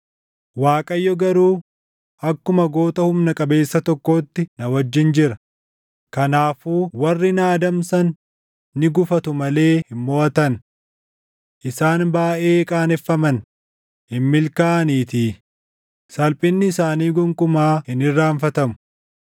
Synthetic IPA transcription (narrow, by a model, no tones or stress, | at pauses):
waːkʼɐjːɔɡɐɾuː | ʔɐkːʊmɐɡo̞ːt̪ɐhʊmnɐkʼɐbe̞ːsːɐt̪ɔkːo̞ːt̪ːɪnɐwɐd͡ʒːɪnd͡ʒɪɾɐ | kɐnaːfuːwɐrːɪnaːd̪ɐmsɐnː | ɪɡʊfɐt̪ʊmɐle̞ːhɪmːoːʔɐt̪ɐn | ʔɪsaːnbaːʔeːkʼaːnɛfːɐmɐn | hɪmːɪlkaʔɐniːt̪iː | sɐlpʼɪnːɪːsaːniːɡʊŋkʼʊmaːhɪnɪrːaːɱfɐt̪ɐmʊ̥